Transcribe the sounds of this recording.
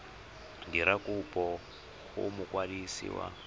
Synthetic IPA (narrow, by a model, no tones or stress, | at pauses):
diɾakʼupʼɔ | kṵmʊkwadisḭwa̰